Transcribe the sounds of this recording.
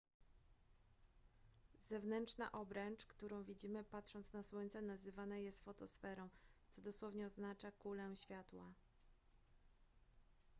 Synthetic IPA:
zɛvnɛntt͡ʂna̰ʔɔbɾɛnt͡ʂkt̪uɾɔ̃w̃vʲid͡ʑimɘpat̪ʂɔnt̪snaswɔɲt̪sɛnazɘvanajɛst̪fɔt̪ɔsfɛɾɔ̃w̃t̪sɔd̪ɔswɔvɲɛɔznat͡ʂakulɛɕfʲjat̪wa

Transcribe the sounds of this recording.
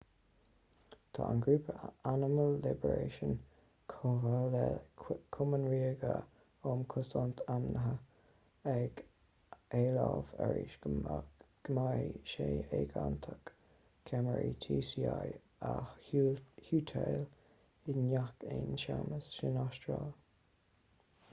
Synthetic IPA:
t̪ʰa̰ənɡɹupʰəanɪməlːɪbəɹeːʃən | kʰovəlɛkʰʊmənɹiːəɡə | ɔːmkʰʊsɔnt̪ʰamnəɦə | ɛɡ̥ | eːlavɛɹḭʃ | ɡ̥əmahiʃeːeːɡant̪ʰək | kʰaməɹit̪ʰiːsiaj | axhuːt̪ʰeːl | ɪnjakenʃaməsʃɪnɔstɹaːl

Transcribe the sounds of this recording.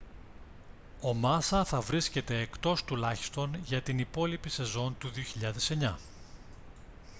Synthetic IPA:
o̞mɐsɐθɐvɾisce̞t̪e̞ːkt̪o̞st̪ulɐçi̥st̪o̞nʝɐt̪inipo̞lipise̞zo̞nt̪uðio̞çiʎɐðe̞se̞ɲɐ

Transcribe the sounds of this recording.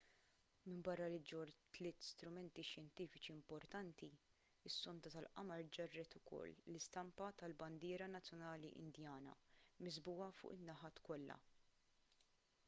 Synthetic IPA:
mɪmbɐrːɐlɪd͡ʒɔɾt̪lɪːt̪st̪ɾʊmɛnt̪iʃjɛnt̪iːfɪt͡ʃiɪmpɔɾt̪ɐnt̪i | ɪsːɔnt̪ɐt̪ɐlʔɐ̰mɐɾd͡ʒɐrːɛt̪ʊkʰɔ̰lːlɪst̪ɐmpɐt̪ɐlbɐnd̪ɪːɾɐnɐt͡sːjɔnɐːlḭʔɪ̰nd̪jɐːnɐ̰mɪzbʊːɐfʊ̰ːʔɪnːɐħɐːt̪kɔlːɐ̰

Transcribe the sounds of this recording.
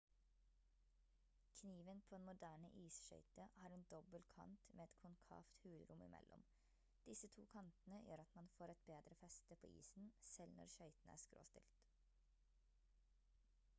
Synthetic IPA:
kʰniːʋənpʰoːeːnmʊd̪æːɳəʔiːsʃœ̰ʏt̪əhɑːɾeːnd̪ɔbəlkʰɑ̰nt̪mʔeːɛt̪kʰʊnkʰɑ̰ːft̪hʉːlɾʊmʔɪ̰mʔɛ̰lʔɔ̰m | d̪̥ɪsət̪ʰṵːkʰɑnt̪n̩əjøːɾɑt̪mɑnfoːɾɛt̪̚beːd̪ɾəfɛst̪əpʰoːʔḭːsn̩sɛlnɔ̰ɾʃœʏt̪n̩æ̰ːskɾo̰ːst̪ɪlt̪

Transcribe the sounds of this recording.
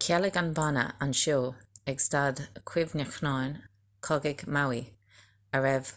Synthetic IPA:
kʰɛlɪɡanbanə̰anʃoːɛɡsd̥adkʰw̥ɪvnəxnajn | kʰɔɡɪɡmawi | əɹɛv̥

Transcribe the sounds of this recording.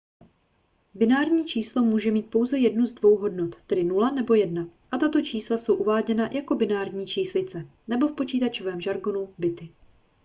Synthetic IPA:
bɪnaːɾɲiːt͡ʃiːslo̞muːʒɛmiːt̪̚po̞wzɛjɛdnuzdvo̞wɦo̞dnot̪t̪ːɛdɪnulanɛbo̞jɛdnaʔat̪at̪o̞t͡ʃiːslaso̞wʔuvaːɟɛnajʔako̞bɪnaːɾɲiːt͡ʃiːslɪt͡sɛ | nɛbo̞fpo̞t͡ʃiːt̪at͡ʃo̞vɛːmʒaɾɡo̞nubɪt̪ɪ

